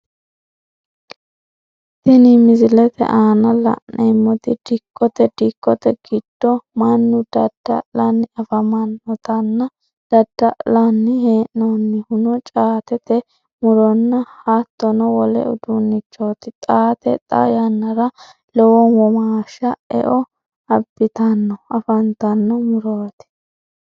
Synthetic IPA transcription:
t̪ɪnɪmɪzɪlɛt̪ɛ̰ʔaːnɐlɐ̰ʔemːɔt̪ɪd̪̥ɪkʰʼːɔt̪ɛd̪̥ɪkʼːɔt̪ɛɡ̥ɪd̪̥ːɔmɐnːʊd̪̥ɐd̪̥ːɐ̰lɐnːɪɐfɐmɐnːɔt̪ɐnːɐ | d̪̥ɐd̪̥ːɐlɐnːɪheːʔnonːɪhʊnɔt͡ʃʼaːt̪ɛt̪ɛ | mʊɾɔnːɐhat̪ːɔnɔwɔlɛ̰ʊd̪unːɪt͡ʃːoːt̪ɪt̪ʼaːt̪ɛ̰t̪ʼɐ̰jɐnːɐɾɐ | lɔwɔnwɔmaːʃɐɛ̰ʔɔ | ɐbːɪt̪ɐnːɔɐfɐnt̪ɐnːɔmʊɾoːt̪ɪ̥

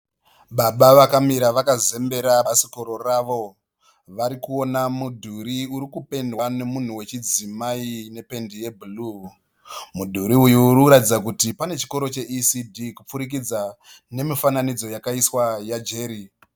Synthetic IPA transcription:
ɓaɓaʋakamiɾaʋakaze̞mbe̞ɾaasi̥ko̞ɾo̞raʋo̞ | ʋaɾikuo̞namudʱuɾiuɾikupe̞ndwane̞mun̤uwe̞t͡ʃid͡zimaine̞pe̞ndije̞bʱulu | mudʱuɾiujuːrikuɾatid͡zakutipane̞t͡ʃi̥ko̞ɾo̞t͡ʃe̞ʔisidʱikup͡fuɾik̬id͡za | ne̞mifananid͡zo̞jakaiswajad͡ʒe̞ːɾi

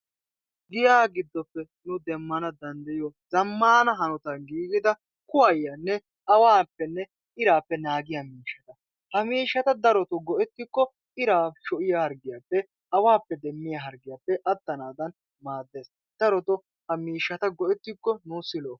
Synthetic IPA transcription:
ɡɪjaːɡɪd̪ːɔpːɛ | nʊd̪ɛmːɐnɐd̪ɐnd̪ɐjɔzɐmːaːnɐɦɐnɔt̪ɐɡiːɡɪd̪ɐ | kʊwɐjːɐnːɛ | ɐwaːpːɛnːɛ | ɪɾaːpːɛnaːɡɪjamiːʃːɐt̪ɐ | hɐmiːʃːɐt̪ɐd̪ɐɾɔt̪ɔɡɔʔɛt̪ːɪkːɔ | ɪɾaːʃɔʔɪjahɐɾɡɪjaːpːɛ | ɐwaːpːɛd̪ɛmːɪjaɦɐɾɡɪjaːpːɛʔɐt̪ːɐnaːd̪ɐn | maːd̪ːeːs | d̪̥ɐɾɔt̪ɔ | hɐmiːʃːɐt̪ɐɡɔʔɛt̪ːɪkːɔnʊsɪloː

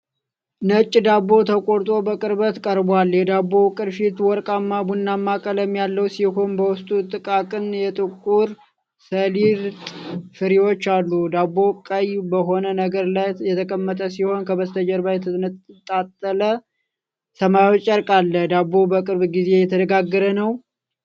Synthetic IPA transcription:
nət͡ʃʼːd̪abo̞t̪ʰəkʼoɾt̪ʼo̞bəkʼɨɾbət̪kʼəɾbwaljɛd̪abːo̞kʼɨɾʃit̪wɔɾkʼamːabunːamːakʼələmjalːəwsiho̞nbəwʊst̪ʼut̪ʼɨkʼakʼɨnjɛt̪ʼɨkʼuɾ | səliɾt̪ʼfɨɾiwo̞t͡ʃːalːud̪abːo̞kʼəjbəɦo̞nənəɡəɾlajjɛt̪ʰəkʼəmːət̪ʼəsiho̞nkʰəbəst̪ʰəd͡ʒəɾbajɛt̪ʰət̪ʼat̪ʼːələ | səmajwot͡ʃʼːəɾkʼalːəd̪abːo̞bəkʼɨɾbɡize̞jɛt̪ʰəd̪əɡaɡːəɾənəw

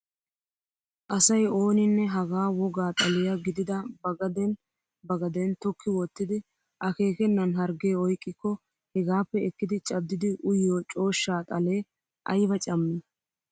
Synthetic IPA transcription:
ʔɐsɐjo̞ːnɪnːɛɦɐɡaːwɔɡaːt̪ʼɐlɪjɐɡɪd̪ɪd̪ɐbɐɡɐd̪ɛn | bɐɡɐd̪ɛnt̪ɔkʰːɪwɔt̪ːɪd̪ɪ | ʔɐke̞ːkɛnːɐnɦɐɾɡeːɔjkʼːɪkːɔ | hɛɡaːpːɛɛkːɪd̪ɪt͡ʃʼɐd̪ːɪd̪ɪʔʊjːoːt͡ʃʼo̞ːʃːaːt̪ʼɐle̞ː | ʔɐ̰jbɐt͡ʃʼɐmːɪ

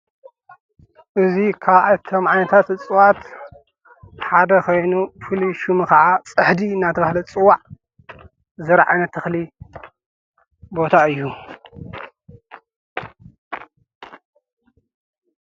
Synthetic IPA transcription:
ʔɨzikʰaβʔat̪ʰomʕajnɐt̪ʰat̪ɨt͡sʼɨwat̪ | ħad̪ɐkʰo̞jnufɨliʃumɨkɐʕat͡sʼɨħd̪inat̪ʰɐβahlɐt͡sʼɨwːaʕ | zɨɾʕa̰jnɐt̪ʰɐxli | bo̞t̪ʰaɨjːu

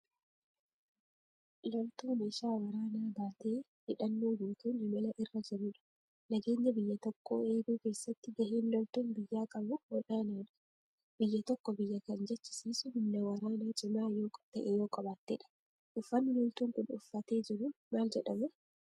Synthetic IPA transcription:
lɔlt̪uːnɪʃaːwɐɾaːnaːbaːt̪e̞ː | hɪᶑɐnːo̞ːjuːk̪uːnhɪmɐlɐʔɪrːɐd͡ʒɪɾuːᶑɐ̥ | nɐɡe̞ːɲːɐbɪjːɐt̪ɔkːo̰ːeːɡuːke̞ːsːɐt̪ːɪɡɐhiːnlɔlt̪uːnbɪjːaːkʼɐbʊwɔᶑaːnaːᶑɐ̥ | b̥ɪjːɐt̪ɔkːɔbɪjːɐkɐnd͡ʒɛt͡ʃːɪ̥siːsʊhɪnːɐwɐɾaːnaːt͡ʃʼɪmaːjo̞ːkʼt̪ɐʔeːjo̞ːkʼɐbaːt̪ːeːᶑɐ̥ | ʔʊfːɐnːɪlɔlt̪uːŋkʊnʊ̰fːɐt̪e̞ːd͡ʒɪɾʊmaːld͡ʒɛᶑɐmʊ

